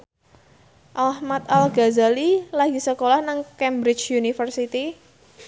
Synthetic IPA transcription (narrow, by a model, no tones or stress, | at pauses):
ʔahmat̪alɡazalilaɡisəkolahnaŋkɛmbɾɪt͡ʃjunifərsit̪i